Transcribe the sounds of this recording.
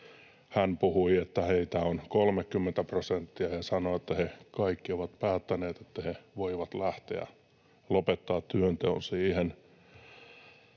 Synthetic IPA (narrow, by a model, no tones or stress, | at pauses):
hænpuhuiet̪ːæheit̪æonkolmekːymːent̪æprosent̪ːiæhesɑnoet̪ːæhekɑikːioʋɑt̪pæːt̪ːæneːt̪et̪ːæheʋoiʋɑt̪læht̪ḛæ̰ | lopet̪ːɑːt̪t̪yønt̪ḛunsiːhen